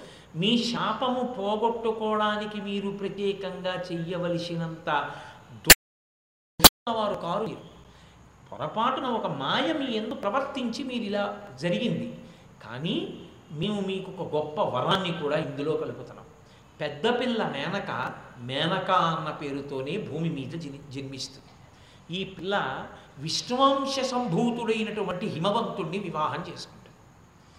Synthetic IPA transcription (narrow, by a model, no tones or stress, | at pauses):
miːʃaːpɐmupɔːɡoʈːukɔːɽaːnikimiːɾupɾɐt̪jɛːkɐŋɡaːt͡ʃɛjɐʋɐlisinɐnt̪ɐd̪ | d̪uʂunːɐʋaːɾukaːɾuu | pɔ̰ɾɐpaːʈunɐɔkɐmaːjɐmiend̪upɾɐʋɐɾt̪iɲt͡ʃimiːɾuilaːd͡ʒɐɾiɡind̪i | ka̰ːniː | meːwumiːkɔkɐɡɔpːɐʋɐɾaːnːikuːɽaːind̪uloːkɐluput̪unːa̰ːm | pɛd̪ːɐpilːɐmɛːnɐkɐ̰mɛːnɐkaːɐnːɐpe̞ːɾut̪o̞ːne̞ːbʱuːmimiːt̪ɐd͡ʒɐnmist̪und̪i̥ | iːpilːɐʋiʂɳʋaːmʂɐsɐmbʱuːt̪uɽɐjnɐʈuʋɐɳʈiɦimɐʋɐnt̪uɳːiʋiʋaːɦɐmt͡ʃe̞ːsu̥kuɳʈud̪i